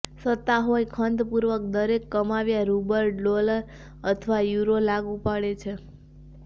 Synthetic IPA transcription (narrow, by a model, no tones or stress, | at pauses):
sət̪ːaɦojkʰənd̪puɾʋək̚d̪əɾekːəmaʋjaɾubəɾloləɾ | ət̪ʰəʋajuɾolaɡũpaɽet͡ʃʰe